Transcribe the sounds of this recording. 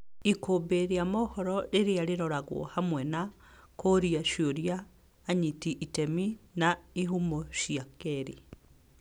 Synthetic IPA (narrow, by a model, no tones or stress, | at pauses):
ikobeɾeamɔhɔɾɔɾeɾeaɾeɾɔɾaɣwɔ̰hamwɛna | koɾiaʃoɾijaː | ɲitiʔitɛminaiɦumoʃiakɛɾi